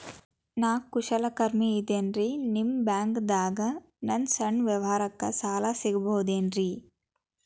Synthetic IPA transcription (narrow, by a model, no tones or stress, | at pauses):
naːkːuʂɐlɐkɐɾmiːd̪eːnɾinimbaːŋɡd̪aːɡɐ | nɐnsɐɳʋjɐʋɐɦaːɾɐkːɐsaːlaːsiɡɐboːd̪eːnɾi